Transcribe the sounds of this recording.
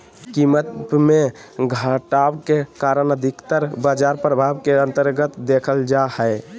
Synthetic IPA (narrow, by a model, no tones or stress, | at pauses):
kimət̪meɡʱəʈawkekaɾənəd̪ʱikt̪əɾbad͡ʒaɾpɾəbʱawkeənt̪əɾɡət̪d̪ekʰəld͡ʒahəɪ